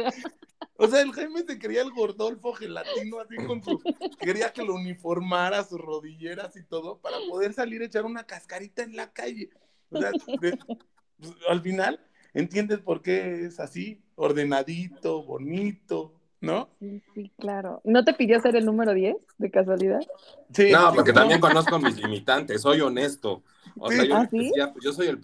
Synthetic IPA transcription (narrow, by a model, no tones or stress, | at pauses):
ose̞aelxejmesekeɾiaelɣo̞ɾðo̞lfo̞xela̰t̪ino̞asiko̞nsuke̞ɾiake̞lounifo̞ɾmaɾasusro̞ðiʝe̞ɾasit̪o̞ðo̞paɾapoðe̞ɾsaliɾe̞t͡ʃaɾunakaskaɾit̪aenlakaʝe̞ | ose̞ad̪e | psalfinal | e̞̰nt̪je̞nd̪e̞spo̞ɾke̞esasi | oɾðe̞naðit̪o̞βo̞̰nit̪o̞ | nosisiklaɾo̰no̞t̪e̞piðjoseɾe̞lnũme̞ɾoðje̞sd̪ekas̬waliðað | sinopoɾket̪ambjeŋko̞nos̬komizlimit̪ant̪esːo̞jo̞ne̞st̪o̰ | o̰sieajasiiapezjo̞s̬o̞jel